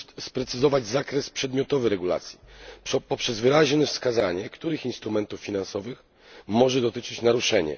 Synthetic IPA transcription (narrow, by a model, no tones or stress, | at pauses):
t̪spɾɛt̪sɘzɔvad͡ʑzakɾɛspʂɛd̪mʲjɔt̪ɔvɘɾɛɡula̰t̪sʲjipɔpʂɛzvɘɾaʑnɛfskazaɲɛkt̪uɾɘxinst̪ɾumɛnt̪ufːʲinansɔvɘx | mɔʐɛd̪ɔt̪ɘt͡ʂɘt͡ɕnaɾuʂɛɲɛ̰